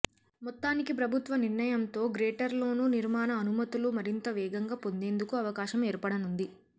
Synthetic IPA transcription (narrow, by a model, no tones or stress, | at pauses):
mɔt̪ːaːnikipɾɐbʱut̪ʋɐniɾnɐjɐmt̪o̞ːɡɾeːʈɐɾlo̞ːnuːniɾmaːnɐːnumɐt̪ulumɐɾint̪ɐʋɛːɡɐŋɡaːpo̞nd̪e̞ːnd̪ukuɐʋɐkaːʃɐmeːɾpɐɽɐnund̪i